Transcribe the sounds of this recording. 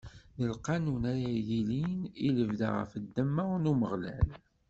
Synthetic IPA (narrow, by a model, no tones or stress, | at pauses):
nəlqɑnunæɾajiliniləvd̪a̰ʁə̰fəd̪ːəmːəʁnuməʁlæl